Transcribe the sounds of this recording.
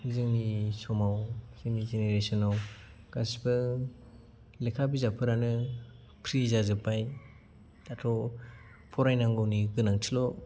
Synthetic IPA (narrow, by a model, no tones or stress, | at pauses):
zɯŋnisɔmawz̥ɯŋnizeneɾesɔnaw | ɡ̥asbɯ | lekʰabizapʰɯɾanɯ | pʰɾizazɯpʰaj | datʰɔ | pʰɔɾajnaŋɡɔwniɡɯnaŋtʰilɔ